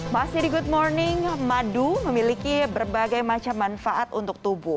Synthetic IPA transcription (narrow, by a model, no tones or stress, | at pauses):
masɪhdiɡud̚mɔrnɪŋmaduməmilikibərbaɡajmat͡ʃamːanfaʔat̪unt̪ʊk̚t̪ubʊh